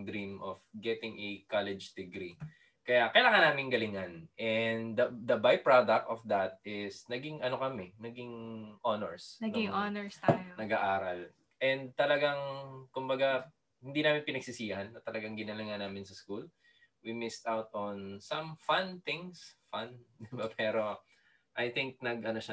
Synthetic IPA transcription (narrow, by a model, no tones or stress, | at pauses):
d̪ɾĩmʔofɡɛt̪ɪŋʔɛkalɛd͡ʒd̪̥ɛɡɾi | kɐjakɐjlakɐnaːmɪŋɡɐlɪŋɐnʔɛnd̪d̪ɐd̪ɐbajpɹad̪ɐk̚t̪ɔfd̪ɐt̪t̪̚ɪsnɐɡɪŋʔɐnokɐmɛnɐɡɪŋʔonɛɹsɐɡŋʔonɛɹst̪aːjonɐɡaʔaːɾɐl | ʔɛ̃nd̪̚t̪ɐlɐɡaŋkʊmbɐɡa | hɪnd̪iːnaːmɪnpɪnɐɡ̥sɪsiːhɐnːɐt̪ɐlɐɡaŋɡɪnɐlɐŋɐnaːmɪnsɐskul | wimɪst̪awt̪ɔnsɐ̃mfant̪ɪ̃ŋsfand̪ɪbapʰɛːɾo̞ | ʔɐjt̪ɪŋk̚nɐɡʔɐnoʃa